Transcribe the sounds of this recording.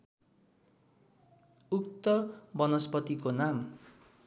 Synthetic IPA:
uk̚t̪ʌbʌnʌspʌt̪ikonam

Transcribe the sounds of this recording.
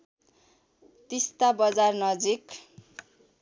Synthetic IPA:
t̪ist̪abʌd͡zarnʌd͡zik

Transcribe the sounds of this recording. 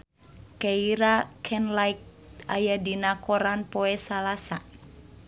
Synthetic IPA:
kɛiɾakʰɛnlajk̚ | ajadinakɔɾanpɔɛsalasa

